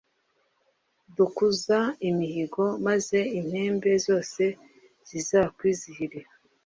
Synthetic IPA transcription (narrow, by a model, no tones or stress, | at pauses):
dukuzaimihiɡo̞maze̞im̥he̞ːmbe̞zo̞ːse̞ | z̥izaːkwiːzihiɾiɾa